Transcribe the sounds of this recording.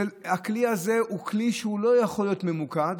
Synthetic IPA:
ehakliaze̞ukliʃeulo̞jaχo̞ljo̞t̪me̞mukad̪

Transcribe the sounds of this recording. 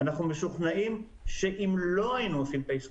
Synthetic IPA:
anaχnumeʃuχnaʔim | ʃe̞ʔimlo̞ajinuosimpejs

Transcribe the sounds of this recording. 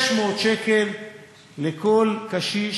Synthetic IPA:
ʃmoːt̪ʃekelː | ekolkaʃi

